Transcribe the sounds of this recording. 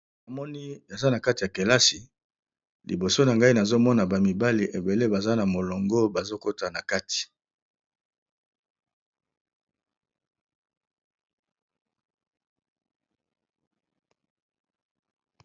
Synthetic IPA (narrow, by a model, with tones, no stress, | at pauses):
na˨mɔ˦ni˦e˨za˦na˨ka˦ti˨ja˨ke˨la˦si˨ | lḭ˨bo˨so˦na˨ŋɡa˦i˦na˨zo˦mɔ˦na˨ba˨mi˨ba˦li˨ʔe˨be˨le˦ba˨za˦na˨mo˨lo˨ŋɡo˦ba˨zo˦ko˦ta˨na˨ka˦ti̥˨